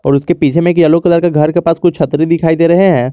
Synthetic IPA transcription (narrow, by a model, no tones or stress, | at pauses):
ɔ̰ːɾʊskepiːt͡ʃʰemẽeːkjɐlokɐd̪əɾkeɡʱɐɾkepaːskʊt͡ʃt͡ʃʰɐt̪ɾid̪ɪkʰaːid̪eːɾɐɦeɦɛ̃ː